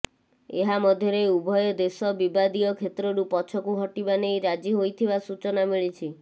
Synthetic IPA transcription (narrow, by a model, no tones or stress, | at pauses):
eɦamɔd̪ʱjɔɾeubʱɔjɔd̪esɔbibad̪ijɔkʰet̪ɾɔɾupɔt͡ʃʰɔkuɦɔʈibanejɾad͡ʒiɦojt̪ʰibasut͡ʃɔnamiɭit͡ʃʰi